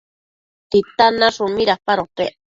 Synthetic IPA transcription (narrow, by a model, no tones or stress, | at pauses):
t̪it̪anaʂumiɾapaɾope